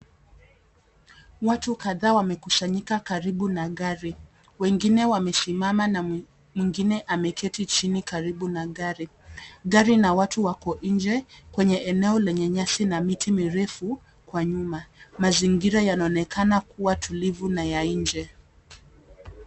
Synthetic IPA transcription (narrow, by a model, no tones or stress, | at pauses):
watukaðaːwamɛkusaɲikakaɾiɓunaɠaɾi | wɛŋɡinɛwamɛsimamana | mwiŋɡinɛʔamɛkʰɛtit͡ʃinikaɾiɓunaɠaɾi | ɠaɾinawatuwakɔʔiɲd͡ʒɛkwɛɲɛʔɛnɛɔlɛɲɛɲasinamitimiɾɛfu | kwaɲumamaziŋɡiɾajanaɔnɛkʰanakuwatʰulivunajaind͡ʒɛ